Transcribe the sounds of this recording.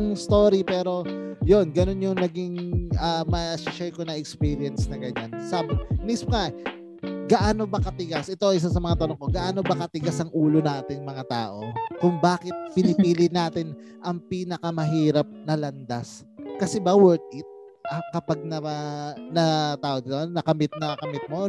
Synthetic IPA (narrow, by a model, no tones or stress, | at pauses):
ŋst̪oːɾipɛːɾo̞jo̞nɡɐno̞njʊŋnɐɡiŋʔaːmɐʃaʃɛjkonɐɛkspiːɾɪɐnsnɐɡɐɲansɐmnispŋaʔ | ɡɐʔaːno̞bɐkɐt̪ɪɡasʔɛt̪oʔɪs̬asɐmɐŋat̪ɐnoŋko̞ɡɐʔaːno̞bɐkɐt̪ɪɡasʔɐŋʔuːlo̞naːt̪ɪŋmɐŋat̪a̰ːʔo̞kʊŋbaːkɪt̪̚pɪnɪpiːlɪnaːt̪ɪn | ʔɐŋpiːnɐkɐmɐɦiːɾɐp̚nɐlɐnd̪as | kɐsɛbɐwɛɹt̪̚ɪt̪̚ | ʔɐkɐpaɡ̚nɐɐnɐt̪aːʔod̪ɪt̪onɐkɐmɪt̪̚nɐkɐmɪt̪̚mo